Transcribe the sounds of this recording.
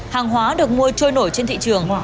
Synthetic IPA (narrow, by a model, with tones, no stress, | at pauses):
haː˨˩ŋɦwaː˨˦ɗɨ˨˩ək̚mu˧ət͡ɕo˧jno˧˩jt͡ɕe˧nt̪ʰḭ˧˨t͡ɕɨ˨˩əŋ